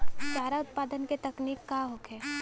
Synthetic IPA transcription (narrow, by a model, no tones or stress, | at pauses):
t͡ʃaːɾaʊt̪̚paːd̪ənket̪ɐkniːkːaɦokʰɛː